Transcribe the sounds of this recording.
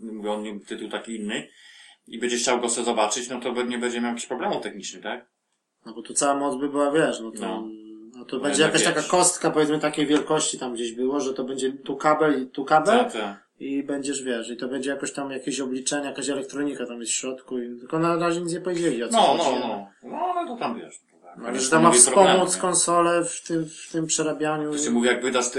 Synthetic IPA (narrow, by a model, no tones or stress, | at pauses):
muvʲiɔnɲɛt̪ɘt̪uwt̪akʲiinːɘ | ibɛɲd͡ʑɛxt͡ɕawɡɔsɛzɔbat͡ʂɘt͡ɕnɔt̪ɔbɛɲɛbɛɲd͡ʑɛmʲawjakʲe̥ɕʲpɾɔblɛmuft̪ɛxɲit͡ʂnɘt̪ak̚ | nɔbɔt̪ut̪sawamɔd̪zbɘbɘwavʲjɛʂnɔt̪ɔat̪ɔbɛɲd͡ʑɛjakaʃt̪akakɔst̪kapɔvʲjɛt̪smɘt̪akʲejvʲjɛlkɔɕt͡ɕit̪amɡd͡ʑeʑbɘwɔʐɛt̪ɔbɛɲd͡ʑɛt̪ukabɛlit̪ukabɛa | ibɛɲd͡ʑɛʐvʲjɛʂit̪ɔbɛɲd͡ʑɛjakɔɕt̪amjakʲeɕɔblʲit͡ʂɛɲɛjakaɕɛlɛk̚t̪ɾɔɲikat̪amjɛst̪fɕɾɔt̪kuit̪ɘkɔnaɾaʑɛɲit̪ɲɛpɔvjed͡ʑɛviɔt̪ɔɔnalɛt̪ɔt̪amvɛʂ | nalɛʐɛt̪amːafspɔmut̪skɔnsɔlɛft̪ɘmft̪ɘmpʂɛɾabʲjaɲuɛmuvʲjaɡvɘd̪as